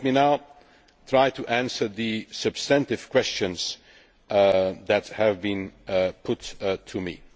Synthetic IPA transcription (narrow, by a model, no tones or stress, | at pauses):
minaʊ | tʰɹ̥aɪtʰɨʔæ̃nsə˞ðɨsɨb̥stæ̃ntɨv̥kʰw̥ɛst͡ʃɨ̃nz̥ | ðɨt̚hɨvbĩnpʰʊttʰːɨmḭ